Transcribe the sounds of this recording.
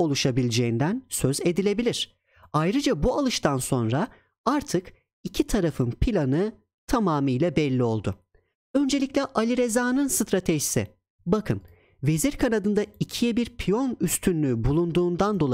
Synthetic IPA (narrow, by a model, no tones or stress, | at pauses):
o̞lˠuʃabilʲd͡ʒe̞ind̪ænsø̞ze̞d̪ilʲe̞bilʲiɾ̥ | ajɾɯd͡ʒabualˠɯʃt̪ʰanso̞nɾa | aɾt̪ʰɯk | icʰit̪ʰaɾafɯnpʰilʲanɯ | t̪ʰamaːmɯjlʲɛbɛlʲːio̞lˠd̪ʊ | ø̞nd͡ʒe̞lʲiclʲɛʔalʲiɾe̞zaːnɯnsɯt̪ɾat̪ʰeʒisɪ̰ | bakʰɯn | ve̞ziɾkʰanad̪ɯnd̪aicʰijɛbiɾpʰijo̞nyst̪ʰynlʲybulˠund̪uːnd̪and̪o̞lˠa